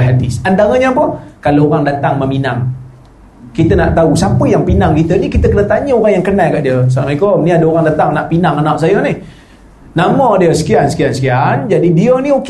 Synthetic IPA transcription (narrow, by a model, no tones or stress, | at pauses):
ɦadɪsandaŋəɲəpɔkaloːɾaŋdat̪aŋməminaŋ | kit̪ənaʔt̪ausapəjaŋpinaŋkit̪ənikit̪əkənət̪aɲəoɾaŋjaŋkənajkaʔdiəs̬amaikoniadəoɾaŋdat̪aŋnaʔpinaŋanaʔ̚sajənih | namadiəsə̥kiansə̥kiansə̥kiand͡ʒadidiəniok